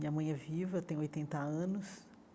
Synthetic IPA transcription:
mĩɲɐmɐ̃j̃ɛvivɐt̪ẽj̃ojt̪ẽnt̪ɐɐ̃nʊs

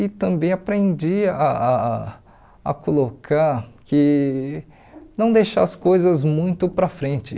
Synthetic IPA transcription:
ɪt̪ɐ̃bẽj̃apɾẽd͡ʒiaa | kolokʰaɾkɪ | nɐ̃w̃d̪ejʃa̰ɐskojzɐzmũj̃t̪ʊpɾɐfɾẽt͡ʃɪ

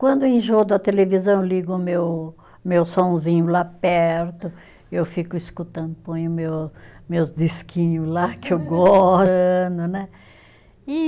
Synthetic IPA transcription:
kwɐ̃nd̪ʊẽʒod̪ʊɐt̪elevizɐ̃w̃ewliɡʊmew | mewsõzĩɲʊlapɛɾt̪ʊ | ewfikʊiskut̪ɐ̃nd̪ʊpõjʊmewsmewzd̪iskĩɲʊzlakɪewɡɔ | nʊnɛ | i

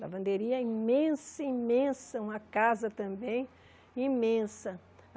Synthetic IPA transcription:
lɐ̰bɐ̃nd̪eɾiɐĩmẽsɐĩmẽsɐũmɐkazɐt̪ɐ̃mbẽj̃ | ĩmẽsɐ

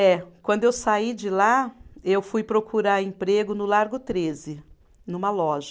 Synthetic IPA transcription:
ɛkwɐ̃nd̪ʊewsaid͡ʒɪlaewfujpɾokʰuɾaẽpɾeɡʊnʊlaɾɡʊt̪ɾezɪ | nũmɐlɔʒɐ

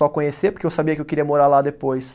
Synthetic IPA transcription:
ɔkõɲesepoɾkewsabiɐkɪewkiɾiɐmoɾaɾlad̪epojs

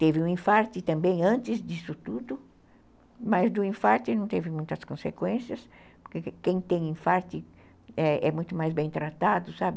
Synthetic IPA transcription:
t̪evɪũĩfaɾt̪ɪt̪ɐ̃mbẽj̃ɐ̃nt͡ʃ̪ɪzd̪isʊt̪ud̪ʊ | mɐzd̪ʊĩfaɾt̪ɪnɐ̃w̃t̪evɪmũj̃t̪ɐskõsekwẽsiɐs | poɾkekẽj̃t̪ẽj̃ĩfaɾt̪ɪ | ɛɛmũj̃t̪ʊmajzbẽj̃t̪ɾat̪ad̪ʊsabɪ

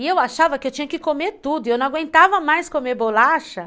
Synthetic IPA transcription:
ɪewaʃavɐkɪewt͡ʃĩɲɐkɪkomet̪ud̪ʊewnɐ̃w̃aɡwẽnt̪avɐmajskomebolaʃɐ

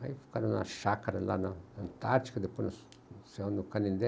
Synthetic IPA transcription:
aifu̥kananã̰ʃakaɾala̰nãnant̪aɾt͡ʃi̥kad̪epunã | seonũkanĩnd̪e

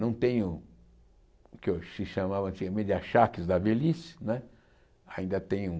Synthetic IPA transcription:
nɐ̃w̃t̪ẽɲʊ̃ | kesiʃamavɐ̃nt͡ʃ̪iɡɐmẽd̪aʃakizd̪abelisnɛ | aĩnd̪ɐt̪ẽɲũ

